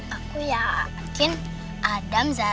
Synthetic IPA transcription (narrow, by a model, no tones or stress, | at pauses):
akujakin | adamza